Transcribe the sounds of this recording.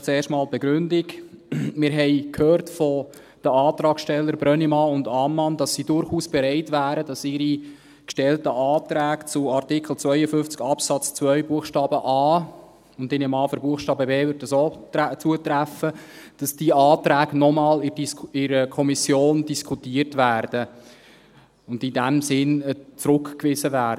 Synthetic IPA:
t͡seːʃtmɑːlb̥ɛɡ̥ɾʏndɪɡmɪːɾɦɛɪkʰhøːɾtfɔ | d̥əɑːt̪ɾɑːkʃtɛlːəɾbɾœnimɑːʊndɑmːɑnd̥ɑsːidʊɾχuːsb̥ɛɾɛɪtʋæːɾəd̥ɑsɪɾi | kʃtɛltəʔɑːtɾæːkt͡sʊɑrtɪkʰl̩ˠt͡svœʏəfʏft͡skɑpsɑt͡st͡svœʏbuəχʃtɑːbəʔɑː | ʊndɪnɛmɑːfəɾbuəχʃtɑːbəbeːvʏɾdəsoːt͡suətɾæfə | d̥ɑsd̥iːʔɑːtɾæːɡnɔmɑːlɪisɪɾəkʰɔmisjoːndiskʰutiːərtʋæːrd̥ə | ʊndɪdæmsɪnt͡sɾʊkkʋɪzəvæː

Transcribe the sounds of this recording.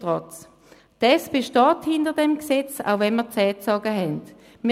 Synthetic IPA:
ʁɔt͡s | d̥ɛsb̥eʃtɑːthɪndəʁdɛmksɛt͡sa̰ʊvɛnmiːɐt͡sɛːt͡sɑɡəɦɛnt | miː

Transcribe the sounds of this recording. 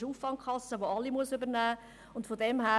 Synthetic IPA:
uːfvɑŋkχɑsːəʋoɑlːimuəsybəɾnæː | ʊntfodɛmɦæː

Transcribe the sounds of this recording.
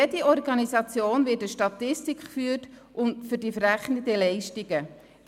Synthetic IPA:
ediɔrɡɑnizɑt͡sjoːnvɪːtəʃtɑtɪstikχfyːt | ʔʊntfʏɾdifɾæχnəd̥ɛlɛɪʃtiɡə

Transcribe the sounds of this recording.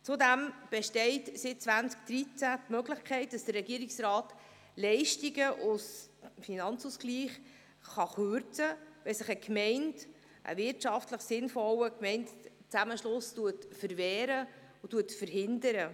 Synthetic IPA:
t͡sudæmb̥ɛʃtɛɪtsɪt̚t͡svænt͡sk̚d̥̪ɾit͡sætmøɡləχkʰɛɪt̚d̥ɑsd̥ərːɛɡiəɾɪksrɑːt | lɛɪʃtiɡəʔʊsfinɑnt͡susɡliːχ | χɑχøɾt͡səvɛsəχəkʰmɛɪnd | ʔə̰vɪɾtʃɑftləχsɪnfɔwəkmɛɪntt͡sæməʃlʊstuətfəɾvɛːɾə | ʊtuətfəɾɦɪndəɾə

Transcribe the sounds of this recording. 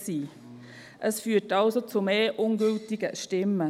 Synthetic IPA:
siː | ʔəsfyːtɑlsot͡sumeːʔʊnɡøltɪɡəʃtɪmːə

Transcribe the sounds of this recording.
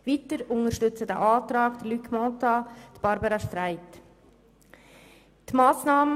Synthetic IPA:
viːtəɾʊŋəɾʃtʏt͡sədæ̰ːʔɑːtɾɑːkd̥əlykʰmɔtɑt̪b̥ɑɾbɑɾɑʃtɾaɪt | tmɑːsnɑːmə

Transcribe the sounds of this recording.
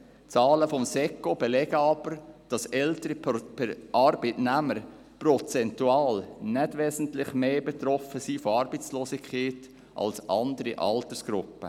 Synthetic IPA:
t͡sɑːləfɔmsɛkob̥elɛɡəɑb̥əɾd̥ɑsɛltəɾipɛʔɑɾbətnɛməɾ | prɔt͡sɛntuɑːlnɛtʋɛːsən̩tlɪχmeːbɛt̪ɾɔfəsiːfoɑɾbət͡sloːsɪkʰχeːt | ʔɑ̰lsʔɑndəɾiʔɑltəsɡ̥ɾʊpːə̰

